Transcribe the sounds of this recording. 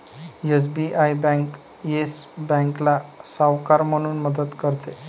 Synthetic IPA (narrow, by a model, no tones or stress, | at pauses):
es̬biʔajbɛ̃ŋk | esbɛ̃ŋklasawkaɾməɽ̃uːnməd̪ət̪kəɾt̪e